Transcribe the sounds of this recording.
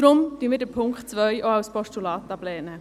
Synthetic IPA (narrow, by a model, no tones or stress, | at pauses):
d̥ɾʊmt̪ynmɪdəpʰʊŋkχtt͡svœʏʔoawspɔʃtulaːt̪ɑblɛːnə